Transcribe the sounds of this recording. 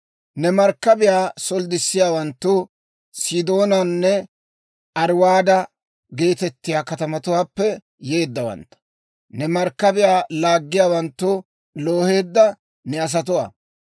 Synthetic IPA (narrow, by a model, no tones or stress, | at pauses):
nɛmɐɾkːɐbɪjaːsɔld̪ɪsːɪjaːwɐnt̪ːʊ | sɪd̪o̞ːnɐnːɛ | ʔɐɾwaːd̪ɐ | ɡe̞ːt̪ɛt̪ːɪjaːkɐt̪ɐmɐt̪ʊwaːpːɛ | je̞ːd̪ːɐwɐ̰nt̪ːɐ̥ | nɛmɐɾkːɐbɪjaːlaːɡːɪjaːwɐnt̪ːʊ | lo̞ːhe̞ːd̪ːɐ | nɛɐs̬ɐt̪̬ʊwa̰ː